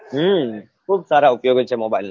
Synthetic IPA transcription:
ɦ | kʰuːbsaːɾaupjoːɡət͡ʃʰemoːbail

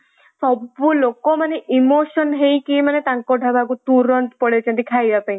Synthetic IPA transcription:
sɔbulokɔmaneʔimoʃɔnɦejkimanet̪aŋkɔʈabʱaɡut̪uɾɔnt̪pɔɽet͡ʃʰɔnt̪ikʰajɾapaj

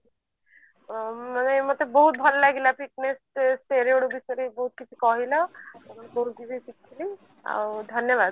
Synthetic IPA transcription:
manemot̪ebɔɦut̪̚bʱɔllaɡʱilapik̚nesseɾioɽubisɔɾibɔɦut̪̚kit͡ʃʰikɔɦilɔt̪eməneboɾuɡibʱisikʰːili | a̰wd̪ʱʌnjəbad̪̚

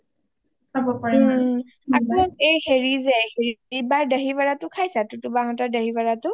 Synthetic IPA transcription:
kʰabɔpaɛ | akɔejheɹizɛheɹibaɹdəɦibaɹatʊkʰajsatʊtʊbaɦɔtadəɦibaɹatʊ

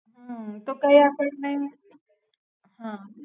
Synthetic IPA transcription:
ɦãt̪okaɦiapəʈnai | ɦã

